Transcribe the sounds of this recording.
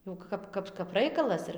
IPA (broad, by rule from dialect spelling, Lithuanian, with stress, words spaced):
jɛʊ ˈkɐp ˈkɐp kɐp ˈrɐɪkɐlˠɐs ɪr